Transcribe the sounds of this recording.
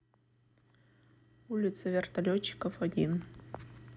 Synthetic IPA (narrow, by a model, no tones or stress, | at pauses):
ulʲɪt̪sʰɐvʲert̪ɐlʲot͡ɕːi̥kofɔd̪ʲin